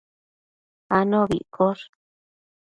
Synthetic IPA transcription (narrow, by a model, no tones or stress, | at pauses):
anõβḭʔkʰoɾ